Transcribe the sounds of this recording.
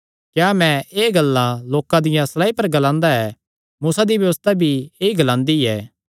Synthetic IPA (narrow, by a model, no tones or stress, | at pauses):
kjaːmɛ̃eːɡɐlːaloːkãd̪ɪjãsɐlaːipɐɾɡɐlãːnd̪aɛː | muːsad̪ibjɐʋəst̪abʱieːiɡɐlãːnd̪iɛː